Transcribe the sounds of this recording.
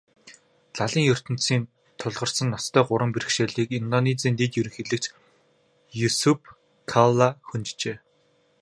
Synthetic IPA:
taɮiːŋjɵr̥t̪ɵ̆nsiːn | t̪ʰʊɮʁɞ̆rsə̆nːɔst̪ʰœːɢʊɾə̆mpiɾɘ̆kʃeːɮiːkint̪ɔnit͡siːnt̪et̪jɵɾɘ̆ŋxeɮɘ̆k̚t͡ɕ | jusupʰ | kʰalaxɵnt͡ɕt͡ɕeː

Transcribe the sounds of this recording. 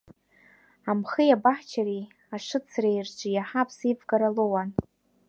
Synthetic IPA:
amχɨjabaħt͡ʃʰari | aʂɨt͡sʰrejrd͡ʒʷʼɨjaħapʰsivɡaɾalowan

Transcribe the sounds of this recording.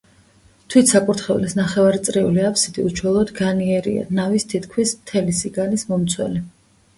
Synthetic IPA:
t̪ʰwit̪ʰsakʼuɾt̪ʰχɛvlisnaχɛvaɾit̪sʼɾiṵliapʰsid̪̥iuʃʰwɛlˠɔd̪ɡaniɛɾḭa̰navist̪ʰit̪ʰkʰmismt̪ʰɛlisiɡalismɔmt̪sʰwɛ̰li

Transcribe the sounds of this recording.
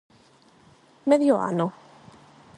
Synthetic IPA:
mɛðjoa̰nu

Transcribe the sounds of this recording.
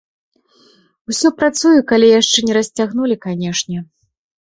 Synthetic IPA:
wsʲɔpɾat̪sujukalʲijaʂt͡ʂɛnʲɛɾɐsʲt͡sʲaɣnulʲikanʲɛʂnʲɛ

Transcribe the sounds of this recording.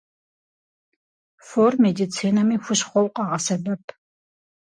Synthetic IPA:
formedit͡sʰiːnɐmixʷʊʃχʷɔwqʼɑʁɐsɐbɐpʰ

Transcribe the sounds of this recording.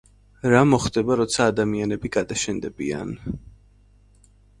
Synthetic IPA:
ɾamɔχd̪ɛbaɾɔt̪sʰaːd̪amianɛbiɡad̪aʃɛnd̪ɛbḭa̰n

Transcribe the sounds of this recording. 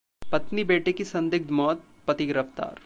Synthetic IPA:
pɐt̪nibeːʈekisɐ̃nd̪ɪɡ̚d̪mɔːt̪̚ | pɐt̪ɪɡɾəft̪a̰ːɾ

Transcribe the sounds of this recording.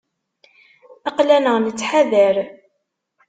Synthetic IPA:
ɑqlænəʁnət͡sːħaðəɾ

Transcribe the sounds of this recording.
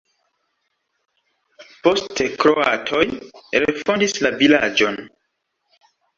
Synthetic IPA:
po̞stekɾo̞a̰tʰo̞jɾe̞fo̞ndislavilad͡ʒo̞n

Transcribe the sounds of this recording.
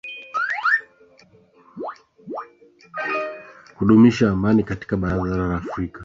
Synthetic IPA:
huɗumiʃaːmanikati̥kaɓaɾaðaɾalaːfɾika

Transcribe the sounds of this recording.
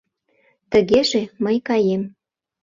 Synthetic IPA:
t̪əɣeʒeməjkɑjem

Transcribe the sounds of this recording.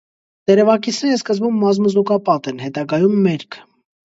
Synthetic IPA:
d̪̥ɛɾɛvɑkisʰnɛɾəskəzbumːɑzmuzukɑpɑt̪ɛnhɛt̪ɑɡɑjumːɛɾkʰ

